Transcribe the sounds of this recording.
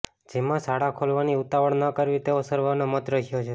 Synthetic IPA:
d͡ʒemãsaɽakʰolʋaniut̪aʋəɳnəkəɾʋit̪eosəɾʋanomət̪ɾəɦijot͡ʃʰe

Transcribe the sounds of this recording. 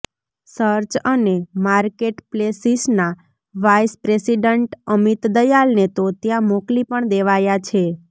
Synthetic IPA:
səɾt͡ʃənemaɾkeʈplesisna | ʋajspɾesiɖəɳʈəmit̪d̪əjalnet̪ot̪jãmoklipəɳd̪eʋajat͡ʃʰe

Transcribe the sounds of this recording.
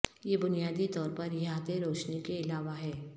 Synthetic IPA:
jebʊnijaːd̪it̪ɔːɾpɐɾjaːt̪eɾoːt͡ʃnekeɪlaːʋaɦɛː

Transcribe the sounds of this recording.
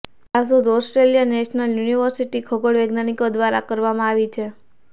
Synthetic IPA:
as̬od̪ɔsʈɾeljanɛʃnəljuniʋəɾsiʈikʰɔɡoɽʋeɡnaɽ̃ikod̪ʋaɾakəɾʋamãaʋit͡ʃʰe

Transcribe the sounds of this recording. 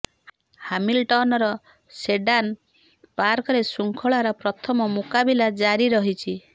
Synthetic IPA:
hamilʈɔnɔɾɔ | seɖan | paɾkɔɾesuŋkʰɔɭaɾɔpɾɔt̪ʰɔmɔmukabilad͡ʒaɾiɾɔɦit͡ʃʰi

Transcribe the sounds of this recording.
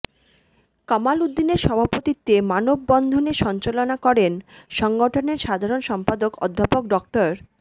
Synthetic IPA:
kamalud̪ːineɾʃɔbʱapot̪it̪ːemanobːɔnd̪ʱoneʃɔnt͡ɕalonakɔɾenʃɔŋɡoʈʰoneɾʃad̪ʱaɾonʃɔmpad̪okɔ̰d̪ʱːapokɖɔkʈoɾ

